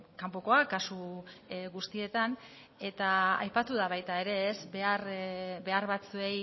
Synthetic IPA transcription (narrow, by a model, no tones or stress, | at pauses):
kampo̞ko̞akasu | ɣust̪ie̞t̪an | e̞t̪aa̰jpat̪uðaβ̞ajt̪ae̞ɾe̞ːzbeaɾbe̞aɾβat͡sue̞j